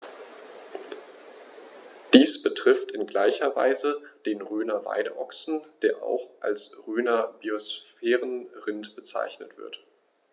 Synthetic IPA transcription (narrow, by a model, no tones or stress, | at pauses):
d̥iːsb̥ətʁ̥ɪftɪnɡlaɪçɐva̰ɪzəd̥eːnʁøːnɐva̰ɪdə̰ʔɔksn̩d̥eːɐʔa̰ʊxʔa̰lsʁøːnɐbiosfɛːʁənʁɪntb̥ət͡sa̰ɪçnətv̥ɪ̰ɐt